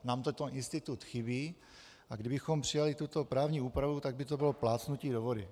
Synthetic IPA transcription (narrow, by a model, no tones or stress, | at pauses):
naːmt̪ot̪ɛnʔɪnst̪ɪt̪ut̪xɪbiː | ʔaɡdɪbɪxompr̥ɪjalɪt̪ut̪o̞pɾaːvɲiːuːpɾavut̪aɡ̚bɪt̪obɪlo̞plaːt͡snuciːdovodɪ̰